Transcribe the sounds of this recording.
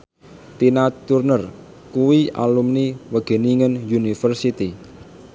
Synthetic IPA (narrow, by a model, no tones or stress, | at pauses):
t̪inat̪urnər | kuwia̰lumniwəɡ̥e̤niŋənjunifərsit̪i